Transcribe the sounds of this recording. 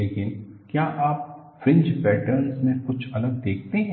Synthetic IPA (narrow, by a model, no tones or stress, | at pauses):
eːkɪnkjaːʔaːp̚ | fɪ̃ɲd͡ʒpɛːʈəɾnsmẽkʊt͡ʃʰɐləɡ̚d̪eːk̚ʰt̪eɦɛ̃